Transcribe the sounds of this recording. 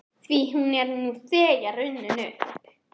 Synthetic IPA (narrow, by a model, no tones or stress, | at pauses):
θviɦunɛɾnuθɛːjaɾʏnːʏnʏp